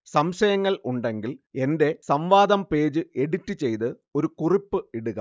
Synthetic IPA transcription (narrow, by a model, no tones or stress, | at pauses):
sɐmɕɐjɐŋːɐɭuɳɖe̞ŋɡile̞nde̞sɐmʋaːd̪ɐmpe̞ːd͡ʑɨe̞ɽutːɨt͡ɕe̞jt̪ɨ | o̞ɾukuripːɨiɽuɣɐ̰